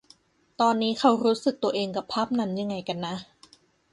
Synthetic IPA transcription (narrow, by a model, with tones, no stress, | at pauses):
t̪ɔː˧nːiː˦˥kʰa˦˥wɾuː˦˥sɯ˨˩k̚t̪u˧ɐʔeː˧ŋka˨˩pʰːa˦˥˩p̚na˧˩mja˧ŋːa˧jka˧nːa˦˥